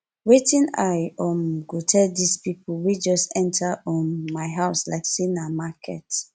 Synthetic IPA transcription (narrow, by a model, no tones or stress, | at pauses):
wetĩnajɔmɡotʰɛldispipʰuwid͡ʒɔstɛ̃ntʰaɔ̃nmaɪɦaʊsla̰ɪksinamakʰɛ̰t